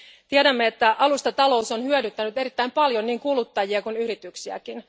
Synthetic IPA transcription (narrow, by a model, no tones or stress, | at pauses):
t̪iedæmːe̞et̪ːæʔɑlust̪ɑt̪ɑlo̞uso̞nhyødyt̪ːænyt̪e̞ɾit̪ːæimpɑljo̞nniːŋkulut̪ːɑjiɑkunyɾit̪yksiæ̰kin